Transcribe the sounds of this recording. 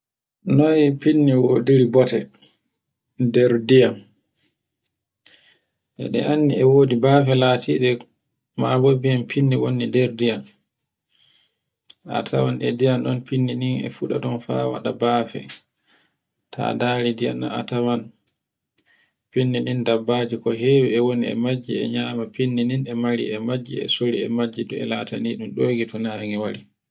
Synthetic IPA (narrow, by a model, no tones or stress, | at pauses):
nɔjpinːiwodiɾibɔtɛ | dɛɾdijam | ʔɛ̰ɗɛ̰ʔanːiɛwoːdibaːfɛlaːtʰiːɗɛ | mabobijampʰinːiwonːidɛɾdijam | a̰tʰawanʔɛ̰dijanɗɔnpinːiniŋɛ̰fuɗa̰ɗɔnfawa̰ɗabaːfɛ̰ | tʰa̰daːɾidijana̰a̰taman | pinːinindabːad͡ʒikɔɦeːwiɛwoniɛ̰mad͡ʒːiɛ̰ɲamapinːininɛmaɾḭɛmad͡ʒːiɛ̰soɾiɛmad͡ʒːidɔɛ̰lataniɗumɗoːɡitɔnaɾŋɛwaɾi